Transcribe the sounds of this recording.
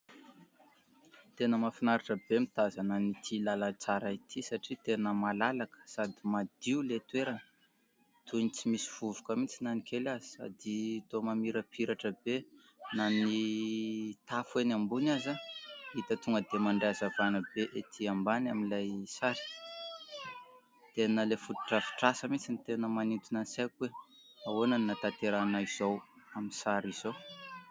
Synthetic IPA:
t̪enəmafinaɾaʈ͡ʂəbemit̪azanənit̪ʰilalat͡saɾait̪ʰisaʈ͡ʂit̪enəmalalakə̥sad̪imad̪̥iulet̪weɾanə | t̪uinit͡simisiv̥uvukəmit͡sinanikʰelazi̥sa̰d̪it̪omamiɾəpʰiɾaʈ͡ʂəbe | nani | t̪afuenambunazait̪ət̪uŋɡəd̪emaɳɖ͡ʐeazavanəbeʔet̪ʰiambanaminlajsaɾi̥ | t̪enəlefut̪u̥ʈ͡ʂəfi̥ʈ͡ʂasəmit͡sinit̪enəmanit̪unansakuwe | awonaninat̪at̪eɾanaiz̥ow | aminsaɾiz̥o

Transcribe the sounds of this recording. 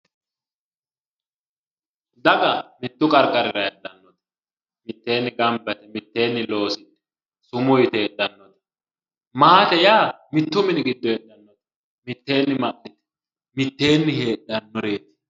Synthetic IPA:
d̪ɐkʼɐmɪt̪ːʊkʼɐɾkʼːɐɾɪɾɐɛd̪ːɐnːɔt̪ɛ̥ | mɪt̪ːe̞ːnːɪɡɐmbɛt̪ɛmɪt̪ːe̞ːnːɪlo̞ːsɪt̪ɛ̥ | sʊmʊjɪt̪ɛɛd̪ːɐnːɔt̪ɛ̥ | maːt̪ɛjaː | mɪt̪ːʊmɪnɪɡɪd̪ːɔɛd̪ːɐnːɔt̪ɛ̥ | mɪt̪ːe̞ːnːɪmɐʔnɪt̪ɛ̥ | mɪt̪ːe̞ːnːɪɦe̞ːɗɐnːɔɾeːt̪ɛ̥

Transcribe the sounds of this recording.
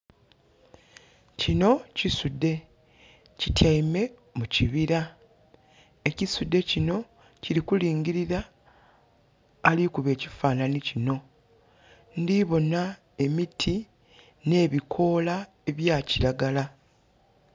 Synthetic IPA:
cino̞cisudːe̞ | citʰjaime̞ | muciβiɾa | e̞cisudːe̞cino̞ | ciɾikuliːŋɟiɾiɾa | likuβe̞ːci̥faːnanicino̞ | ndiβo̞na | e̞mitʰi | ne̞ːβikʰo̞ːla | eβjaːciɾaɡala

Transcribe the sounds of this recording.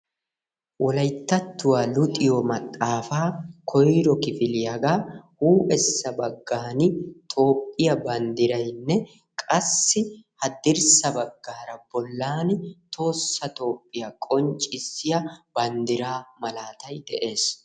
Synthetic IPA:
wɔlɐjt̪ːɐt̪ːʊwaːlʊt̪ʼɪjomɐt̪ʼːaːfaːkʰɔjɾɔkɪfɪlɪjɐɡaːhuːʔɛsːɐbɐɡːaːnɪt̪ʰo̞ːpʼːɪjɐbɐnd̪ɪɾɐjnːɛ | kʼɐsːɪhɐd̪ɪɾsɐbɐɡːaːɾɐbɔlːaːnɪt̪ʰo̞ːsːɐt̪o̞ːpʼːɪjɐkʼɔnt͡ʃʼːɪsɪjɐbɐnd̪ɪɾaːmɐlaːt̪ɐjd̪ɛʔe̞ːs

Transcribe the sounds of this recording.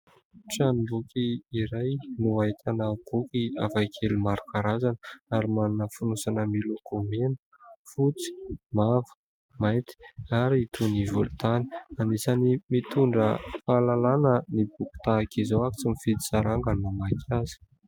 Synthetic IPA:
ʈ͡ʂanibukiːɾajnuait̪ʰanab̥ukʲia̰vajkʰelimaɾukaɾazanəaɾimanunəfunusanəmilukumenu̥ | fut͡si̥mavə̥ | majt̪i̥aɾit̪ʰunivulut̪ani̥anisanimit̪uɳɖ͡ʐəfaːlalanənibuku̥t̪akizowaku̥t͡simifid̪i̥saɾaŋɡanmamak̪iazi̥

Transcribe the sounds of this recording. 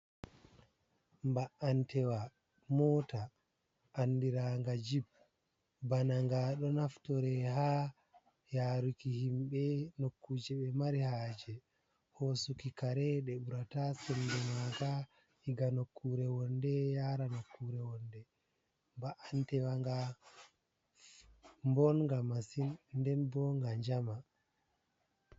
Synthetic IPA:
mbaʔantɛwa | mɔːta | ʔːndiɾaŋɡad͡ʒib̚ | banaŋɡaɗɔnaftɔɾɛɦa | jaːɾukihimɓɛnokːud͡ʒɛɓɛmaɾihaːd͡ʒɛ | hosukikaɾɛɗɛɓuɾatasɛndɛmaɡa | hiɡanokʰːuɾɛwɔndɛjaːɾanokːuɾɛwɔndɛ | mbaʔantɛwaŋɡa | mbɔnŋɡamasinːdɛnbɔŋɡaɲd͡ʒama

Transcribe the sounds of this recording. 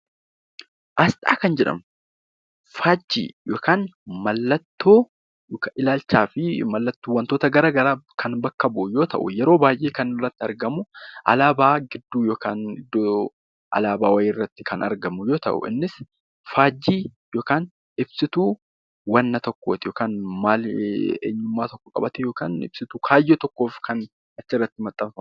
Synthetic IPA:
ʔɐst̪ʼa̰ːkɐnd͡ʒɛᶑɐ̰m | faːd͡ʒːḭːjoːkaːnmɐlːɐt̪ːoː | kːɪlaːlt͡ʃːaːfɪmɐlːɐt̪ːuːwɐnt̪o̞ːt̪ɐɡɐɾɐɡɐɾaːkʰɐnbɐkːɐbʊjo̞ːt̪ɐ̰ʔʊ̰jɛɾo̞ːbaːjʔeːkɐnɪrːɐt̪ːɪɐɾɡɐmʊʔɐ̰laːbaːɡɪd̪ːuːjoːkaːnɪd̪ːoː | ʔɐ̰laːbaːwɐjeːrːɐt̪ːɪkʰɐnɐ̰ɾɡɐmʊjo̞ːt̪ɐ̰ʔʊ̰ʔɪ̰nːɪs | faːd͡ʒːiː | jo̞ːkaːn | ɪbsɪt̪uː | wɐnːɐt̪ɔkːo̞ːt̪ɪjoːkaːnmaːlḛːɲːʊmːaːt̪ɔkːɔkʼɐ̰bɐt̪ɛjo̞ːka̰ːnɪ̰b̥sɪt̪uːkʰaːjːeːt̪ɔkːo̞ːfkʰɐn | ɐt͡ʃːɪrːɐt̪ːɪmɐt̪ʼːɐmfɐ

